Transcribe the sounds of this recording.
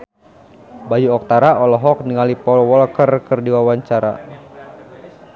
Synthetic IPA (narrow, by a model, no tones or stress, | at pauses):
bajuɔk̚t̪aɾaɔlɔɦɔk̚niŋalipɔlwɔlkərkɨrdiwawaɲt͡ʃaɾa̰